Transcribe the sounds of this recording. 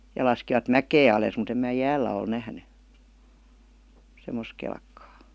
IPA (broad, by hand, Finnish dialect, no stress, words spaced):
jɑ lɑskiʋɑt mækeː ɑleˑs mut em mæː jæːlːæ ol næhny semːos kelkːɑː